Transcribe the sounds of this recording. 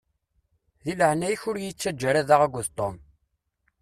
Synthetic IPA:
ðiləhnæjçʊɾjit͡sːæd͡ʒːæɾæðaʁæɡʷəðt̪ˤom

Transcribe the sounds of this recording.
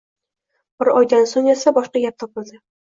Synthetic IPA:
b̥ɪɾɒjd̪ansʊŋesabɒʃqɑɡʲap̚t̪ʰɒpɨld̪ɪ

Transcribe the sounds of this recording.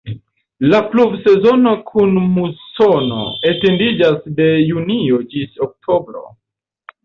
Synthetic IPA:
laplubse̞zo̞no̞kʰunmusono̞̰ete̞ndid͡ʒasde̞junio̞d͡ʒisok̚tʰo̞bɾo̞̰

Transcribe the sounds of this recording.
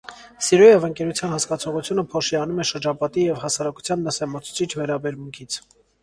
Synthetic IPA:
siɾujɛvəŋkɛɾut͡sʰjɑnhɑskɑt͡sʰɔʁut͡sʰjunəpʰɔʃiɑnumɛʃəɾd͡ʒɑpɑt̪ijɛvhɑsɑɾɑku̥t͡sʰjɑnːəsɛmɑt͡sʰu̥t͡sʰit͡ʃʰvɛɾɑbɛɾmuŋkʰit͡sʰ

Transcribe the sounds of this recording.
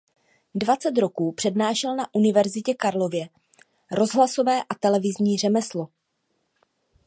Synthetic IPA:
dvat͡sɛt̪ɾo̞kuːpr̝̥ɛdnaːʃɛlnaʔunɪvɛɾzɪcɛkaɾlo̞vjɛ | ɾo̞zɦlasovɛːʔat̪ɛlɛvɪzɲiːr̝ɛmɛslo̞

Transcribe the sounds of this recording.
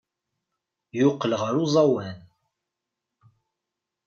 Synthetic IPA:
jʊqːəlʁəɾuzˤɑwæn

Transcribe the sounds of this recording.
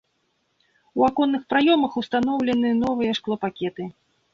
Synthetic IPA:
wakɔnːɨxpɾajɔmɐxust̪an̪ɔwlʲɛnɨnɔvɨjɐʂklˠɔpakʲɛt̪ɨ

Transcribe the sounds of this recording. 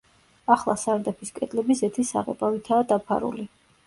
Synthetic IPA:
aχlˠasaɾd̪apʰiskʼɛd̪ʼlɛbisɛt̪ʰisa̰ʁɛ̰pʼavit̪ʰaːd̪apʰa̰ɾṵli

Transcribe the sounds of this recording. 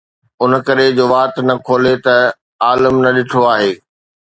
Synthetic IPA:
ʊnkɐɾed͡ʑoːʋaːt̪nɐkʰoːlet̪ɐ | aːləmnɐɗɪʈʰoaːɦeː

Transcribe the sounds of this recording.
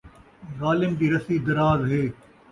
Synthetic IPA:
zaːlɪmd̪iːɾɐsiːd̪ɐɾaːzɦeː

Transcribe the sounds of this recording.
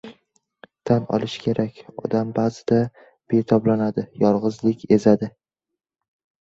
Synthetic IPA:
t̪ʰanɒ̰lˠɪʃkʲʰe̞ɾʔakʲɒ̰d̪ambaːzɪd̪a | b̥e̞t̪ʰɒblanad̪ɪjɒɾʁɨzlɪkʲe̞zad̪ɪ

